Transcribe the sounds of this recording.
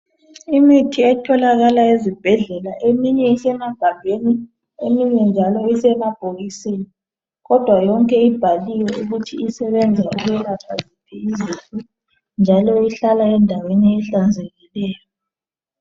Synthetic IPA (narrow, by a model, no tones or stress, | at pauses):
imitʰiɛtʰɔlaɣalaezib̥ʱɛɮɛlaʔemiɲɛisɛmaɡ̥ʱambʱeni | emiɲɛnd͡ʒʱalɔisɛmab̥ʱoɣisini | ɣɔd̥ʱwajɔŋkʼɛib̥ʱaliwɛuɣutʰiisɛβɛnd͡zʱauɣɛlafʰazipʰɛizitʼu | nd͡ʒʱalɔiɬalaɛndʱaweniɛɬand͡zʱeɣilɛːjɔ